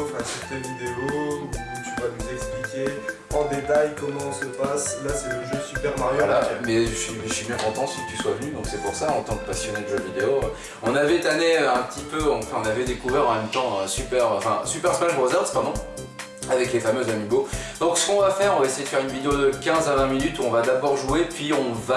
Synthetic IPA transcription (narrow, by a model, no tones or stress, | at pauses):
fɛsyʁt̪evid̪eou | t̪yvanuzɛksplikʲe | ɑ̃d̪et̪ajkɔmɑ̃ɔ̃səpaslasɛləʒøsypɛʁmaʁjlamɛʃɥiɥibjɛ̃kɔ̃t̪ɑ̃sit̪yswavənyd̪ɔ̃ksɛpuʁsaɑ̃t̪ɑ̃kəpasjɔnɛd̪ʒød̪vid̪eo | ɔ̃navɛt̪aneøɛ̃pət̪ipøɑ̃fɛ̃ɔ̃navɛd̪ekuvɛʁɑ̃mɛmt̪ɑ̃øsypɛʁɑ̃fɛ̃sypɛʁsmaʒbʁozɛʁspaʁd̪ɔ̃ | avɛklefamøzamibod̪̥ɔ̃ksə̥kɔ̃vafɛʁɔ̃vaesejed̪əfɛʁynvid̪eod̪əkʲɛ̃zavɛ̃minyt̪uɔ̃vad̪abɔʁʒuepɥiɔ̃va